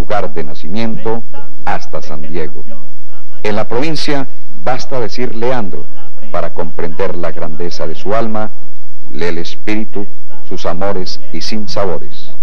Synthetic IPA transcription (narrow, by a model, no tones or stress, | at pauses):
luɣaɾðenasimjẽ̞nt̪o̞ | ast̪asand̪je̞ɣo̞̰ | enlapɾo̞βinsja | βast̪aðesiɾle̞and̪ɾo̞̰ | paɾako̞mpɾend̪e̞ɾlaɣɾand̪e̞saðe̞sualma | lelespiɾit̪u | susamo̞ɾe̞s | isinsaβo̞ɾḛs